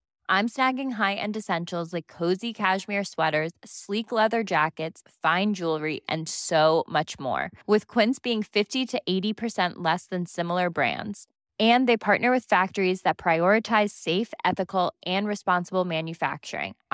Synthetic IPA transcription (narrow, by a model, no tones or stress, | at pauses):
ʔãɪ̃msnæɡɪ̃ŋɦaɪʔɨ̰̃nɨsɛ̃nʃl̩ˠzlaɪkʰːoʊzikʰæʃmiɹswɛɾə˞z̥sliklɛðə˞d͡ʒækɨtsfãɪ̃nd͡ʒulˠɹiʔɨ̰̃nsoʊmʌt͡ʃmɔ̰ɹwɪð̥kʰw̥ɪ̃nsb̥iɪ̃ŋfɪftiɾɨʔeɪɾipʰə˞sɛ̃nʔlɛsðɨ̃nsɪ̃ml̩ˠə˞bɹæ̰̃ndz̥ | ɨ̃nðeɪpʰɑɹʔⁿnə˞wɨð̥fæk̚tə˞izðɨt̚pʰɹ̥aɪɔɹɨtʰaɪz̥seɪfɛθɨkl̩ˠʔɨ̃nɹɨspɑ̃nsəbl̩ˠmæ̃njɨfæ̰k̚t͡ʃə̰˞ɪ̰̃ŋ